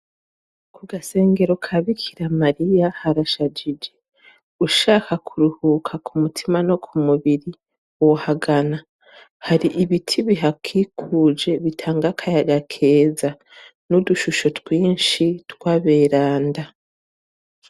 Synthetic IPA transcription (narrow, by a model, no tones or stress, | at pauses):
kuɡase̞ːŋɡe̞ɾokʰaβikʰiɾamaɾijahaɾaʃad͡ʒid͡ʒe̞ | uʃaːkakʰuɾuhukʰakumutʰimano̞kʰumuβiɾi | wohaɡana | haɾiʔiβitʰiβiɦakʰikʰuːd͡ʒe̞βitʰaːŋɡakʰajaɡakʰe̞ːza | nuduʃuʃo̞twiːnʃitwaβe̞ːɾaːnda